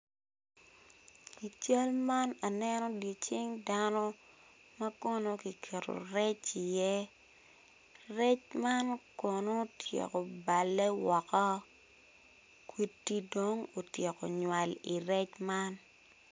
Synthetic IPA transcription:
ki˨t͡ʃa˦lma˦na˨nɛ˦nɔ˦di˨t͡ʃɪ˦ŋda˦nɔ˦ | ma˦kɔ˦no˦ki˨kʰe˨ɾo̰˨ɾɛ˦t͡ʃi˨jɛ˦ | rɛ˦t͡ʃma˦nkɔ˨no˦tʰjḛ˨ko˨ba˨lːɛ˦wɔ˨kɔ˦ | kwi˦tːi˦do˦ŋo˨tje˨ko̰˨ɲwa˨li˨ɾɛ˦t͡ʃma˦n

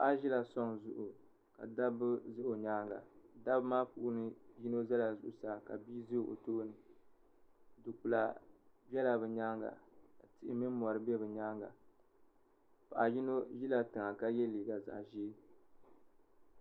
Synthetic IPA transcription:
pa˦ʔa˦ʒi˦la˨sɔ˦ŋzʊ˦ʔʊ˨ | ka̰˨da˦bɨ˦zɨ˦ʔo˨ɲaː˦ŋɡa̰˨da˦bmaː˦pu˨ʔʊ˦nɨ˦ji˦no˦za˦la˨zʊ˨ʔʊ˨saː˨ka̰˨biː˦zɨ˦˨ʔo̰˨toː˦nɨ˨ | dɨ˨ku˨la˨bɛ˦la˨bɨ˨ɲaː˦ŋɡa̰˨ka˨tɪ˦ʔɪ˦mi˦n˦mɔ˨ɾɨ˨˦bɛ˦bɨ˨ɲaː˦ŋɡa̰˨ | pa˨ʔa˨ji˦no˦ʒi˦la˨tɨ˨ŋa˨ka˦jɛ˦liː˨ɡa˨za̰˨ʔʒi˦

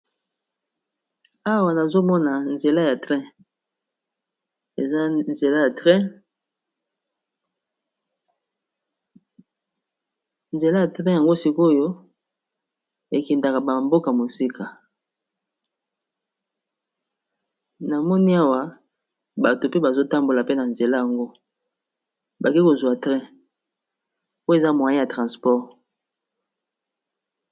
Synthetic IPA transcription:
a˦wa˦˨na˨zo˦mɔ˦na˨nze˨la˦ja˨tʁɛ̃˦ | e˨za˦nze˨la˦ja˨tʁɛ̃˦ | nze˨la˦ja˨tʁɛ̃˦ja˨ŋɡo˦si˦ko˦jo˦ | e˨kɛ˨nda˨ka˨ba˨mbo˦ka˨mo˨si˦kʰa˨ | na˨mɔ˦ni˦a˦wa˦ | ba˨to˨pe˦ba˨zo˦ta˦mbo˨la˨pe˦na˨nze˨la˦ja˨ŋɡo˦ | ba˨ki˦ko˨zwa˨tʁɛ̃˦ | po˦e˨za˦mwa˨ji˦ja˨tʁã˨spɔ˦ʁ

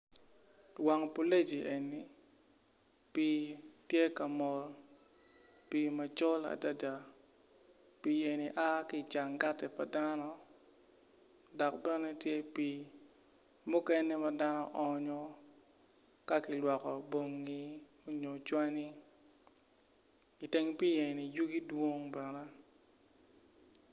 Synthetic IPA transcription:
wa˨ŋpo˦le˦d͡ʒi˨ʔe˨ni˨ | piː˨tje˦ka˨mɔ˨l | piː˨ma˨t͡ʃɔ˦la̰˨da˦da˨ | pi˨e˨ni˨ʔa˦ki˨t͡ʃa˨ŋɡa˦tɛ˨pa˨da˦nɔ˦ | dɔ˨k̚bɛ˦nɛ˦tje˦pi˨ | mʊ˦kɛ˦nɛ˦ma˦da˦nɔ˦ʔɔ˨ɲɔ˦ | ka˦kɪ˨lwɔ˨kɔ˨bo˨ŋːi˦ | o˨ɲo˨t͡ʃwa˦ni˦ | i˨te˦ŋpi˦je˨ni˨ju˦ɡi˦dwo˦ŋbɛ˨nɛ˦

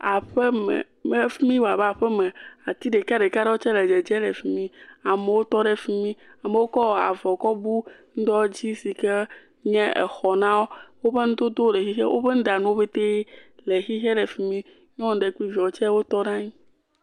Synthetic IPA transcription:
a˨ɸe˦mɛ̰˨ | me˦fi˦mĩ˦wa˨ba˨ɸɛ˦mẽ˨a˨t̪i˦ɖe˨ka˦ɖe˨ka˦ɖe˦wo˦t͡ʃɛ˦le˨d͡ʒɛ˨d͡ʒɛ˦le˨fi˨mĩ˦a˨me˨wo˦t̪ɔ˦ɖe˦fi˦mĩ˦a˨me˨wo˦kɔ˦˨a̰˨vɔ˨kɔ˦bu˦ŋ̩˦d̪ɔ˦d͡ʑi˦si˨ke˦ | ɲɛ̃˦ḛ˨xɔ˨nã˦wo˦wo˦ɸe˦ŋũ˦d̪o˦d̪o˦le˨xi˦xḛ˦wʔo̰˦ɸe˦n̩˦d̪a˨nũ˦wo˦be˦t̪e˦le˨xi˦ɦe˦le˨fi˨mĩ˦ | ɲ˦ɔ̃˦ŋ˦ɖe˨ku˦i˦vi˨ɔ˨t͡ʃɛ˦wo˦t̪ɔ˦nã˦ɲĩ˦

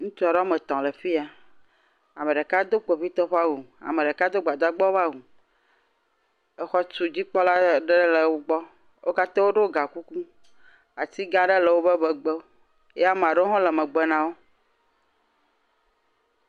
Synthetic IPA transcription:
ŋũ˦t͡ʃɔ˨ɖɔ˦me˨t̪ɔ̃˨le˨fi˦a˨ | a˨me˨ɖe˨ka˦d̪o˦k͡pe˨ɸi˦t̪ɔ˦ɸa˦wu˨a̰˨me˨ɖe˨ka˦d̪o˦ɡ͡ba˨d̪a˦ɡ͡bɔ˦βa˦wu˨ | e˦xɔ˦t͡ʃu˨d͡ʑi˦k͡pɔ˦la˦ɖe˦le˨wo˦ɡ͡bɔ˦ | wʔo˦ka˦t̪ã˦wo˦ɖo˦ɡa˨ku˦ku˦ | a˨t̪i˦ɡã˦ɖe˦le˨wo˦be˦bɛ˨ɡ͡be˦o˦ | e˦a˦mẽ˨a˨ɖe˦o˦ɦɔ̃˦le˨mẽ˨ɡ͡bɛ˨nã˨wo˦

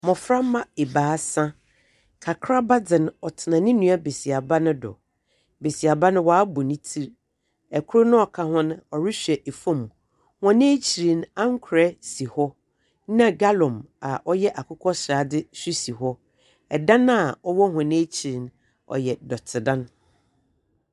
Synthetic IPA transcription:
mɔ̃˨fɾa˦mã˦e˨baː˨˦sã˦ | kʰa˨kʰɾa˦ba˦d͡zɪ̃˨nɔ˨tʰɪ˨nã˨nɪ̃˦nũ˦a˦be˨si˨a˨ba˦nʊ̃˦dɔ̰˨ | be˨si˨a˨ba˦nʊ̃˦waː˨˦bʊ˨nɪ̃˦tʰi˦ɾ | ɛ˨kʰʊ˦nʊ̃˦ɔ˨kʰa˨hʊ̃˦ñ˦ɔ˨ɾɪ˦ɕᶣɛ˨ʔe˨fõ˦m˨ | hã˨nẽ˦t͡ɕʰi˨ɾĩ˨na˦ŋ̩˦kʰʊ˨ɾɛ˦si˨hɔ˦ | nã˨ɡa˦lɔ̃˨m | a˨ʔɔ˦jɛ˦ʔa˨kʰʊ˦kʰɔ˦ɕɾa˨dɪ˦su˦si˨ɦɔ˦ | ɛ˨dã˦na˦˨ɔ˦wɔ˦ɦã˨nẽ˦t͡ɕʰi˨ɾi˨n | ɔ̰˨jɛ˨dɔ˨tʰɪ˨dã˦n

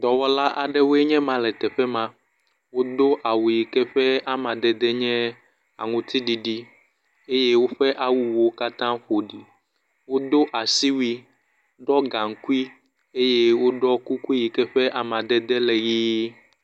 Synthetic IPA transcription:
d̪ɔ˨wɔ˦la˦ʔa˨ɖɛ˦wo˦e˦ɲɛ̃˦mã˨lɛ˨t̪ɛ˨ɸɛ˦mã˨ | wo˦d̪o˦ʔa˨wu˨ji˨kɛ˦ɸɛ˦a˦mã˨d̪ɛ˨d̪ɛ˦ɲɛ̃˦ | a̰˨ŋũ˨t̪i˦ɖi˨ɖi˦ | e˦je˦wo˦ɸɛ˦ʔa˦wu˨wo˦ka˦t̪ã˦ɸo˨ɖi˨ | wo˦d̪o˦ʔa˨si˦wi˦ | ɖɔ˦ɡã˨ŋ̩˨ku˦i˦ | e˦je˦wo˦ɖɔ˦ku˦ku˦ji˨kɛ˦ɸɛ˦ʔa˨mã˨d̪ɛ˨d̪ɛ˦lɛ˨jiː˦

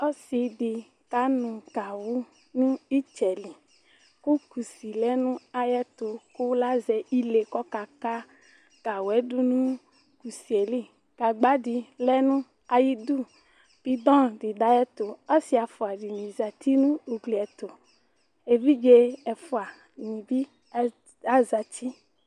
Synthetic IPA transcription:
ɔ˦si˨di˨ | ka˨˦nũ˨ka˨wu˦ | nũ˦i˦t͡ʃɛ˨li˨ | ku˦ku˨si˨lɛ˦nũ˦a˦jɛ˦t̪o˨ku˦la˦zɛ˨i˦le˨kɔ˦ka˨ka˦ | ka˨wu˨ɛ˦du˦nũ˦ | ku˨si˨e˨li˦ | ɡ̥a˨ɡ͡ba˦di˨lɛ˦nũ˦ | a˨ji˦du˦˨ | b̥i˦d̪ɔ̃˦di˨da˦jɛ˦t̪o˨ɔ˦si˦a˨fɔ˨a˨ɖi˨mĩ˨za˨t̪i˦nũ˦u˨ɡli˨ɛ˨t̪o˨ | e˨vi˦d͡ʒe˦ɛ˨fɔ˨a˨ | nĩ˨bi˦ | a˦za˨t͡ʃi˦

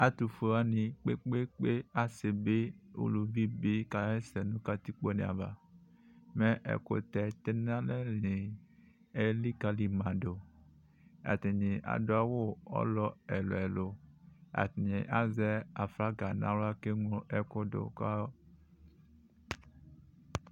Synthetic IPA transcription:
a˨t̪u˨fo˨a˦nĩ˨k͡pe˦k͡pe˦k͡pe˦a˨se˨be˦ṵ˨lu˨vi˦bi˦ka˨e˦sɛ˨nũ˦ka˨t̪i˦k͡po˦nḛ̃˨a˨va̰˨ | me˦ʔɛ̰˨ko̰˨t̪ɛ˨t̪e˦nã˦le˦lĩ˨ | e˦li˦ka˨li˨mã˨ɖo˨ | a̰˨t̪e˨ɲẽ˨ʔa̰˨do˦a˦wo˦ɔ̰˦lɔ˦ɛ˨lo˨ɛ˨lo˨a̰˨t̪i˨ɲẽ˨ʔa˦zɛ˦a˨fla˦ɡa˨nã˦wla˦ke˦ŋo˦ʔɛ˨ko˦do̰˨ka˦

